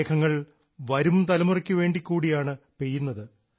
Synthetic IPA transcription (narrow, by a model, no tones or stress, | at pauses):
kʰɐŋːɐɭ | ʋɐɾumt̪ɐlɐmurɐkʲːuʋe̞ːɳɖikʲːuːɽijaːɳɨpe̞jːunːɐðɨ